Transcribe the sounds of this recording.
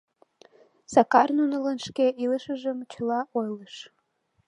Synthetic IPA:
sɑkɑrnunələnʃkeʔiləʃəʒəmt͡ɕə̆lɑʔojləʃ

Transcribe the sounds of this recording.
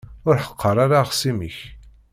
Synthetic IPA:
ʊɾħəqʰːəɾˤaɾaʁsimiç

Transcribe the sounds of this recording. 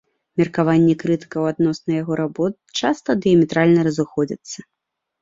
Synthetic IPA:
mʲɛrkavanʲːɛkɾɨt̪ɨ̥kɐwad̪nɔsnɐjaɣɔɾabɔt̪̚t͡ʂast̪ɐd̪ɨjɐmʲɛt̪ɾalʲnɐɾɐzɨxɔd͡zʲɐ̰t̪sːɐ

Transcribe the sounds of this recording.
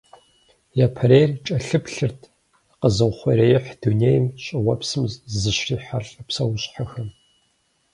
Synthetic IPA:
jaːpʰɐɾeːrt͡ʃʼɐɬɨpɬɨrtʰ | qəzɨʁʷχʷɐɾeːjɪħd̥uneːjmɕʼɪwʷɐpsɨmzɨɕriːħaɬʼɐpsɐwʊɕʼħaxɐm

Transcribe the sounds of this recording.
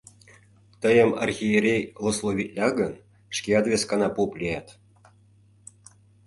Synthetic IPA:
t̪əjə̆mɑ̰rxʲijeɾʲejlˠŏslˠoβʲit̪ʲlʲɑɣən | ʃkʲeɑt̪vʲeskɑnɑpuplʲejɑt̪

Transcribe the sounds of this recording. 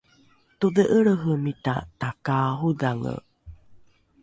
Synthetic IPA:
t̪uðəʔəɭəɦəmita̰takaɦudaŋə̰

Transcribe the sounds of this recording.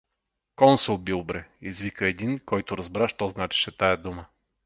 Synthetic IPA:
kɔnsulˠbilˠbɾɛizvikəɛd̪inkɔjt̪ʊɾɐzbɾaʃt̪ɔznat͡ʃɛ̥ʃɛt̪ajəd̪umə

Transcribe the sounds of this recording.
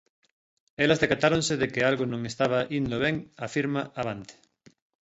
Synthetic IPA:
elɐzðekat̪aɾõnsɪðekɪalɣonõŋest̪aβ̞ɐʔind̪oβɛŋafiɾmaʔaβant̪ɪ̥

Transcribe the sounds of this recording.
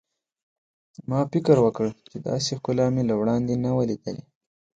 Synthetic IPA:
mɑfɪkəɾwəkəɽt͡ʃed̪ɑ̰sexkʊlɑmelawɽɑnd̪enawəlid̪əlḛ

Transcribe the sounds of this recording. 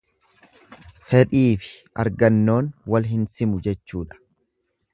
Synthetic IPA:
fɛᶑiːfɪ̥ | ɐ̰ɾɡɐnːo̞ːnwɐlɦɪnsɪmʊd͡ʒɛt͡ʃːuːᶑɐ̥

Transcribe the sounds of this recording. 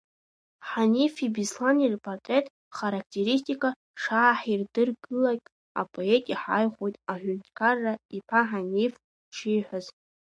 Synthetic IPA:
ħanifibislanirpʰʼortʼetʼ | χaɾakʰtʰe̞ɾis̬tʲʰʼikʼa | ʂaːħirdɨrɡɨlakʲʼ | a̰pʼʰoetʼiħajχʷojtʼaħʷʊntkʰarːaipʰaħanif | ʂʰijħʷᶣaz

